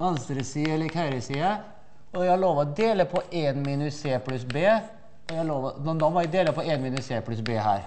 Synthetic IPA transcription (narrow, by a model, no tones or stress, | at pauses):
ɑnsɾəsiːɛləkʰæɪɾəsiːə | ɔjæɑloːʋɔd̪eːləpʰɔʔenmiːnʉsseːplʉsbeː | ɔjæhɑloːʋɔnɔd̪ɔmɔjæd̪eːləpɔenmiːnʉsseːpʰlʉsbeːɦæ̰ːɾ